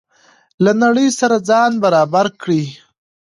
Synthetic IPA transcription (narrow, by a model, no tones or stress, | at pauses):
lanaɽəjsaɾad͡zɑnbaɾɑbaɾkɽi